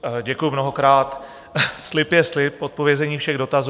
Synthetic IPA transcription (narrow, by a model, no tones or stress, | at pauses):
ɟɛkujumno̞ɦo̞kɾaːt̪ | slɪpjɛslɪpot̪̚po̞vjɛzɛɲiːfʃɛɣdo̞t̪azu